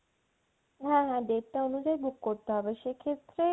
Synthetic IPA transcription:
ɦãɦãɖeʈːaonud͡ʑaebʱukːoɾt̪oɦɔbeʃekʰet̪ɾe

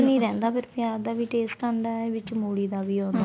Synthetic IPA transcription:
nĩːɾɛ̃ːnd̪aːpɪɾpjaːd̪aːʋiːʈeːsʈaɳɖaʋɪt͡ʃmuːɭiːd̪aːʋiːoːnd̪a

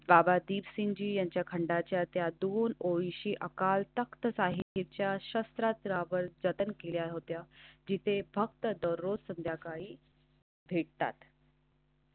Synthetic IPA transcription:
babad̪iːʋsiɲd͡ʑiːjaɲt͡ɕjakʰəɳɖat͡ɕjat̪jad̪onoiɕiːʔəkalt̪əkt̪əsaɦiɦit̪̚t͡ɕjaɕəst̪ɾat̪ɾaʋəɾd͡zət̪ənkeljaɦot̪jad͡ʑit̪ʰebʱək̚t̪əd̪əɾːod͡zsənd̪ʱjakaɭiː | bʱeʈ̚t̪a̰t̪

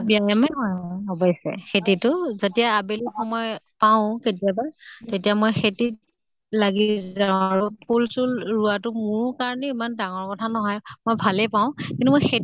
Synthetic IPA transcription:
biajamɛɦɔjmɔjɔbɔjsɛ̰xetitʊzetijaːbelixɔmɔjpaʊ̃ketiabaɹtetijamojxetit̚ | laɡizãaɹʊpʰulsulɹuatʊmʊɹkaɹɔniimandaŋɔɹkɔtʰanɔɦɔjmojbʱalɛpaʊ̃kĩntumojxet

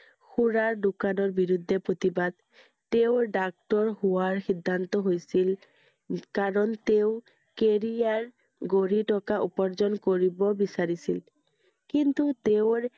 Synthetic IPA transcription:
xuɹaɹdukanɔɹbiɹud̪ʱːɛpɹot̪ibad̪̚ | t̪eʊɖak̚ʈɔɹhuaɹxid̪ʱːant̪ɔɦojsil | kaɹɔnt̪eʊ | keɹijaɹ | ɡoɹiʈɔkaʔupɔɹzɔnkoɹibɔbisaɹisil | kint̪ut̪eʊɹ

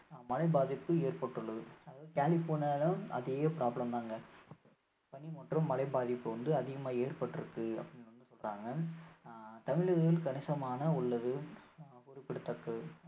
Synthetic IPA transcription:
mɐlɐɪbaːðɪpːɯeːrpɐʈːɯɭːɐðɯɐðaːðɯkaːlɪfoːnɐlɐɐ̰ðɪjɐpɪɾaːblɐmt̪aːŋɡɐ | pɐɳimɐʈrɐmːɐlɐɪbaːðɪpːɯʋɐnd̪ɯɐðɪɣɐmaːeːrpɐʈːɪɾɯkːɯɐ̰pːɐɽɪnːʋɐnd̪ɯsɔlraːŋɡɐ | t̪ɐmɪɭɯɣɣɪlkɐnɪsɐmaːnɐʊɭːɐðɯ | ʊɾʊpːɪɽɯt̪ːɐkːɐ

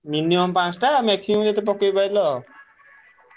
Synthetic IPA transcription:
miniɔmpãt͡sʰʈamɛksimɔmlet̪ɔp̬ɔkːejbajlʌ

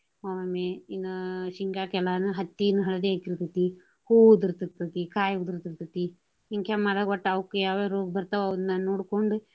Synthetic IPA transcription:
maːmɐmeinːɐʃiŋɡakɛlanuɦɐt̪ːinɐɦɐɭɐd̪eekiɾt̪ɐt̪i | huːud̪uɾt̪it̪ɐt̪ikaːjud̪ɾt̪iɾt̪ɐt̪i | iŋkʰjamad̪ɐɡɐʈːawkːujaːʋeɾoːɡ̚bɐɾt̪ɐʋɐd̪nːanoːɽkoɳɖu

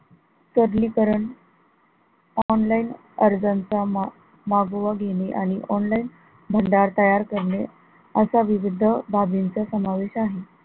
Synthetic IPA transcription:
t̪əɾlikəɾəɳ | ɔnlain | əɾd͡zant͡sa | maɡʋaɡʱeneʔañiʔɔnlain | bʱəɳɖaɾt̪əjaɾkəɾɳe | əsaʋiʋid̪ʱəbʱabint͡sasəmaʋeɕaɦe

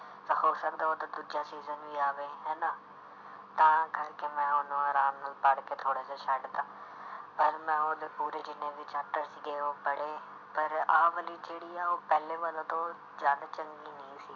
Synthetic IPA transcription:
t̪ɐhoːsɐkd̪aɦot̪ɐd̪ud͡ʒijãsiːzənʋiaːʋẽɦɛːna | t̪ɐãɡɐɾkemɛ̃ʊnoaːɾaːmnəlpaːɽket̪ʰoːɽeseʃaːɖt̪aːpɐɾmɛ̃ːod̪epuːɾed͡ʒɪnẽbɪt͡ʃaːp̚ʈəɾsiɡeɦopɐɽe | pɐɾaːʋəlid͡ʒeːɽiːaɦopɛɦleʋaːlot̪o | d͡ʒaːd̪at͡ʃɐŋɡinĩːsiː

